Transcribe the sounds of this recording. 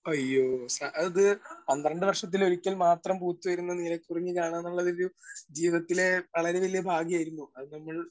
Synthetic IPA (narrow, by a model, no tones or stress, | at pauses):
ɐjːoːsaʔɐðɨpɐnd̪rɐɳɖɨʋɐrʂɐt̪̬ːilo̞ɾukʲːɐlmaːt̪rɐmpuːt̪ːuʋɐjɾunːɐniːlɐkʲːuriɲːɨkaːɳaːnːuɭːɐðoɾud͡ʑiːʋɐt̪ːile̞ʋɐɭɐɾeʋɐlijɐbʱaːɡijaːjiɾunːuɐðɨnɐmːɐɭ